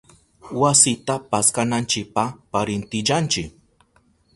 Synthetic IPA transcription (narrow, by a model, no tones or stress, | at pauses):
wasɪt̪apaskanant͡ʃɪk̚papaɾɪnt̪ɪʎant͡ʃɪk̚